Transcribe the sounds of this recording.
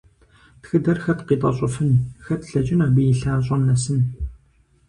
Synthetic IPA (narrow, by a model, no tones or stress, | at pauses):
txɨdɐrxɐtqiːt̪ʼɐɕʼʊfɨnxɐtɬɐt͡ʃʼɪnɐːbijɪɬaːɕ̬ʼɐmnɐsɨn